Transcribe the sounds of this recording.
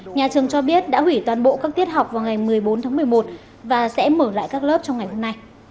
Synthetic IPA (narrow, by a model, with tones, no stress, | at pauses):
ɲaː˨˩t͡ɕɨ˨˩əŋt͡ɕɔ˧ɓi˦˥ət̚ɗa̰ː˧˥hwi˧˩t̪waː˨˩nɓo̰˧˨ʔkaː˦˥kt̪ʰi˦˥ət̚ɦa˨˩wk͡p̚vaː˨˩wŋa˨˩jmɨ˨˩əjɓo˨˦nt̪ʰaː˨˦ŋmɨ˨˩əjmo˨˩t̚ | vaː˨˩sɛ̰˧˥məː˧˩la̰ː˧˨jkaː˦˥k̚ləː˦˥p̚t͡ɕɔ˧wŋ͡mŋa˨˩jho˧mna˧j